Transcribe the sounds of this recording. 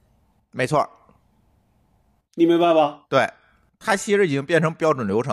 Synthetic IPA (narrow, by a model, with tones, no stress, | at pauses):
me˧˥ɪt͡sʰwɔ̰˥˩ | ni˨˩me˧˥ɪpa˥˩ɪbɐ˨˩t̪we˥˩ɪ | t̪ʰa˥ɕʰi˥ɻ̩˥˩˨t͡ɕi˧˥ŋpjɛ˥˩nʈ͡ʂʰɤ˧˥ŋpjɑ˥ʈ͡ʂə˨˩nljo˧˥ʈ͡ʂʰɤ˧˥ŋ